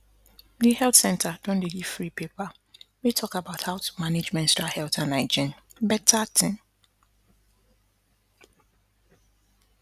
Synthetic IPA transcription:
nihɛltsɛ̃ntʰadɔ̃ndɛɡifɾipʰepʰa | metʰɔkabaʊthaʊtʰu̥mãned͡ʒmɛ̃ntsdahɛltʰãnaɪd͡ʒɪ̃nbɛtʰatʰɪ̃n

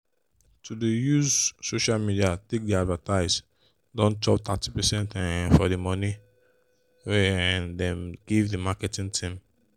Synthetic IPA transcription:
tʰudejuzsoʃalmidiatek̚diadvataɪz | dɔ̃nt͡ʃɔp̚t̪ʰatipɛsɛ̃ntɛfɔdimɔni | wɛɛ̃ndɛ̃mɡ̥ivdimakɛtĩŋtʰĩm

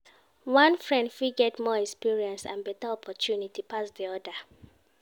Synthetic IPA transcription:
wãnfɹɛ̃ndfiɡɛtmɔɛkspiɹiɛ̃nsã̰nbɛtaɔpʰɔtʰjunitipasdiɔda

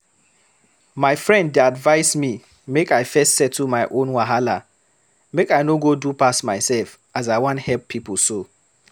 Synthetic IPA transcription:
maɪfɹɛ̃ndːeadvaɪsmi | mekaɪfɛstsɛtʰːumaɪʔõnwaɦala | mekaɪnoɡodupasmaɪsɛlf | azaɪwɔ̃nthɛlpʰːipulso

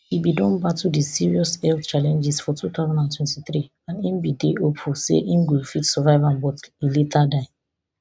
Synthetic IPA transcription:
ibidɔ̃nbatudisiɹiɔsɛlθt͡ʃalɛ̃nd͡ʒɛsfɔtʰuθaʊzãndãntʰwɛ̃ntiθɹi | ãnĩnbideopʰusḛʔĩnɡefitsɔvaɪvãnbɔtiletʰadaɪ

